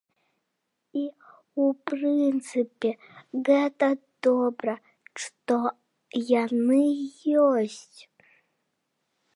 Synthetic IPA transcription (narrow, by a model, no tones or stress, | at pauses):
i | uprint͡sɨpʲe | ɣɛt̪ad̪̥obɾɐ | ʂt̪o | janɨjosʲtʲ